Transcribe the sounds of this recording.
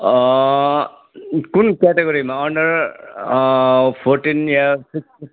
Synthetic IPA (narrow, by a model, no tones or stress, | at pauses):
kunkɛʈeɡoɾimaʌɳɖəɾ | pʰoɾʈinjasiksʈi